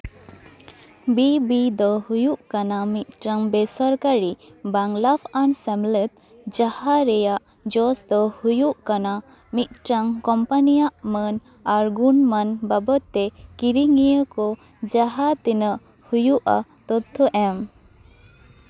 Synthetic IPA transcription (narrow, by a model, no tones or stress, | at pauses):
bibid̪ɔhujuʔkanamit̪̚ʈɾaŋbɛsaɾkaɾibaŋlapʰaɳsɛmlɛt̪̚ | d͡ʒahaɾɛjaʔ | d͡ʒɔsd̪ɔhujuʔkana | mit̪̚ʈɾaŋkɔmpanijaʔmən | aɾɡunmanbabət̪ːɛkiɾiŋijəkɔ | d͡ʒaɦat̪ɛnəʔ | hujuʔa̰t̪ɔt̪ʰːɔʔɛm